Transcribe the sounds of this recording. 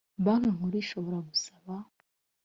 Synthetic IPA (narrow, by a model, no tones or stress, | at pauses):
βanaŋuɾiʃoβoɾaɡusaβa